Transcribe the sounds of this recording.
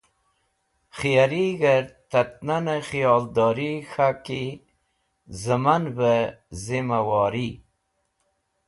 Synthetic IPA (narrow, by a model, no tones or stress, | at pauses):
xijaɾiɣəɾt̪at̪̚nanəxijɑld̪ɑːɾixaki | zəmanvəzimawɑːɾi